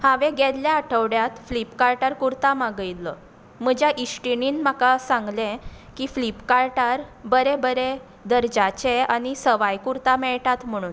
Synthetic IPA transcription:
haʋẽɡɛd̪ljaːʈʰəʋɽjat̪flipkaɾʈaɾkuɾt̪amaɡəjlːə | m̤əd͡ʑaʔisʈiniːnmakasãŋɡlẽ | kiflipkaɾʈaɾbəɾebəɾe | d̪əɾd͡ʑat͡ɕeañisəʋajkuɾt̪amɛɭʈat̪m̤əɽ̃uːn

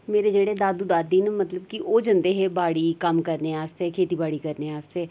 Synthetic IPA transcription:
meːɾed͡ʒeːɽed̪aːd̪uːd̪aːd̪iːnmət̪ləb̚kiʔoːd͡ʒənd̪eːɦɛːbaːɽiːkəmkəɾneːaːst̪eɛːkʰeːt̪iːbaːɽiːkəɾneːaːst̪eɛː

